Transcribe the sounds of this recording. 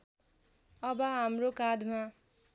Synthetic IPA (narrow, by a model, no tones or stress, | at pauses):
ʌbʌɦamrokad̪ʱma